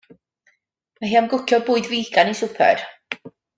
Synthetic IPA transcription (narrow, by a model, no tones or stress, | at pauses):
maɦiːamɡʊkʰjɔbʊːɨdviːɡanisʊpʰɛ̰r